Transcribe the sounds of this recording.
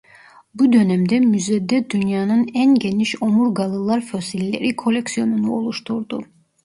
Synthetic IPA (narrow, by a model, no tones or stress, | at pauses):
bud̪ø̞næmd̪ɛmyzɛd̪ɛd̪ynjaːnɯnænɟe̞niʃomuɾɡalˠɯlˠaɾfo̞silʲːe̞̰ɾikʰo̞lʲeksijo̞nunuo̞lˠuʃt̪ʰuɾd̪u